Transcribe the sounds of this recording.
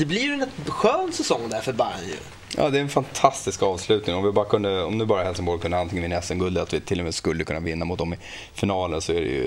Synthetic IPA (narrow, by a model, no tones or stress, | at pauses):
d̪ɛblɪɾjnɛt̪ɧøːnt̪sɛsɔŋːd̪æɾfœɾbaɾjɵ̰ | jɑ̰ːd̪ɛːɾɛnfant̪ʰast̪ɪskɑːvslʉ̟ːt̪nɪŋɔmvɪbɑːɾakʰɵnd̪əɔ̰mnʉ̟ːbɑːɾaɦɛlsɪŋboːɖkʰɵnd̪ant̪ɪŋənmɪnɛsɛnɡɵld̪əat̪vɪt̪ʰɪlːɔmɛːskɵlːəkʰɵnːavɪnːamʊt̪̚d̪ɔmɪ | fɪnɑːlənsɔæɖɛ̰jɵ̰